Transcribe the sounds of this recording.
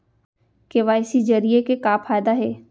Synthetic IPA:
keʋaːɪsid͡ʒɐɾijekekaːpʰaːjd̪aɦɛː

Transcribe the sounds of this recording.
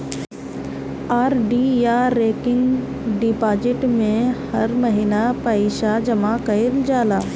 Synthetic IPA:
aːɾɖijaɾeːkɪ̃ŋɡ | ɖipaːd͡ʒɪʈmẽhɐɾmɐɦɪnapɐiʃad͡ʒɐmakɐɪld͡ʒaːlaː

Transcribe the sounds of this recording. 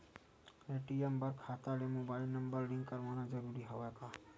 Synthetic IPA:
eʈiembəɾkʰat̪alemobajlnəmbəɾliŋkːəɾmanazəɾuɾiɦawɛka

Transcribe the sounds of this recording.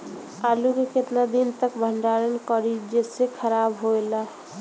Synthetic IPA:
alukeket̪nad̪int̪əkbʱəɳɖaɾənkəɾid͡ʒesekʰəɾabɦoela

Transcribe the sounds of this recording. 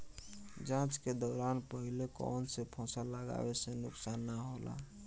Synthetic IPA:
d͡ʒãːt͡ʃked̪ɔːɾaːnpəɦilekɔ̰ːnsepʰɔ̃ːsaləɡa̰ːwesenʊksaːnːəɦola̰

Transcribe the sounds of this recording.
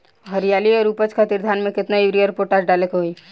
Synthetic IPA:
ɦəɾijaːliɔːɾupət͡ʃkʰat̪ɪɾd̪ʱaːnmẽkɪt̪najuɾiəɾpoʈaːsɖaːlekɦoi

